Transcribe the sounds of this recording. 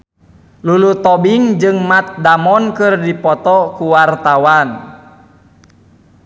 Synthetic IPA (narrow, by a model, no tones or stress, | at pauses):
lulut̪ɔbiŋd͡ʒɨŋmat̪̚damɔnkɨrdipɔt̪ɔkuwart̪awan